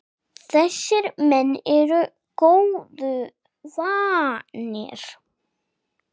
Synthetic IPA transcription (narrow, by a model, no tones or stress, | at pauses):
θɛsːɪɾmɛnːɛɾʏ | koːwðʏ | vanɪ̰ɾ̥